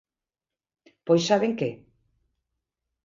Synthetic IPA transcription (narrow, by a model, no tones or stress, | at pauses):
pojsaβeŋke